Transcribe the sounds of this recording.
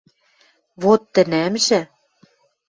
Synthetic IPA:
βot̪ːɘ̆næmʒɘ̆

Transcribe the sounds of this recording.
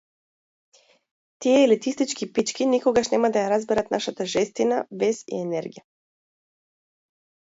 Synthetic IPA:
t̪iɛlit̪ist̪it͡ʃkipit͡ʃkinikoɡaʃnɛmad̪ajaɾazbɛɾat̪naʃat̪aʒɛst̪inavɛsḭɛnɛɾɡija

